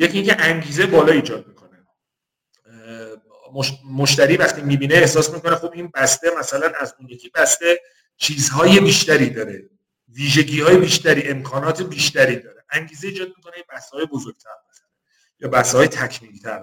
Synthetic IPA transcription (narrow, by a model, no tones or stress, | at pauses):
jecʰiːŋcʰeʔæŋɟiːzebɒːlɒːiːd͡ʒɒːd̪̚miːkʰo̞ne | momoʃt̪æɾiːvæχt̪iːmiːbiːneːhsɒːsmiːko̞nexobʔiːnbæst̪emæsælænæzunjecʲʰiːbæst̪e̞ | t͡ʃʰiːzhɒːje̞biːʃt̪æɾiːd̪ɒːɾe | viːʒe̞ɟiːhɒːje̞biːʃt̪æɾiːʔe̞mkʰɒːnɒːt̪ʰebiːʃt̪æɾiːd̪ɒːɾeʔæŋɟiːzeiːd͡ʒɒːd̪̚mikʰo̞nejebæst̪ehɒːje̞bozoɾɡ̥̚t̪ʰæɾbexne | jɒːbæst̪ehɒːjet̪ʰæcʰmiːlt̪ʰæɾ